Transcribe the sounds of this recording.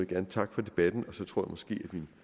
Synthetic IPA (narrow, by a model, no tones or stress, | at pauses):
eɡ̥æɐnət͡sʰɑ̈ɡ̥fɒ̽d̥e̝b̥æd̥n̩ɒ̽sɒ̽t͡sʰʁo̝ɐ̰jämɒ̽sɡ̥e̝̰ːæd̥min